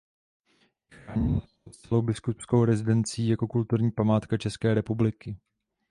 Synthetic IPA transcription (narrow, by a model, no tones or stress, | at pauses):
aɲi | ot̪t͡sɛlo̞wbɪskupskowɾɛzɪdɛnt͡sɪiːjako̞kult̪uɾɲiːpamaːt̪kat͡ʃɛskɛːɾɛpublɪkɪ